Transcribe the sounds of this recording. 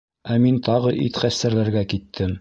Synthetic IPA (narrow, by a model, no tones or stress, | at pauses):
æmint̪ɑʁɤʔḭt̪χæst̪æɾlæɾɡækit̪ʰːɘm